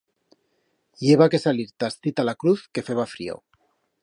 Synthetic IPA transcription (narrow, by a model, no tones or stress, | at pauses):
jeβake̞saliɾt̪ast̪it̪alakɾuθke̞feβafɾio̰